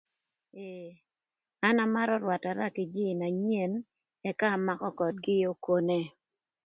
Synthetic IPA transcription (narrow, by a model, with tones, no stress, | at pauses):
e˨ | a˦na˦˨ma˦ɾɔ˦ɾwa˨ta˨ɾa˦kɪ˨d͡ʒi˦˨na˨ɲ˦e˦˨n | ɛ˨kaː˦˨ma˦kɔ˦kɔ˨t̚ɡɪ˦jo˦ko˦ne˦